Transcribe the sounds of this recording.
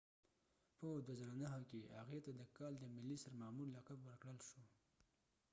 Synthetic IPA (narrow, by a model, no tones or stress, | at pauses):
pəd̪wazəɾanaɦakehaɣet̪ad̪əkɑld̪əmɪlːisaɾmamullːakabwəɾkɽəlʃo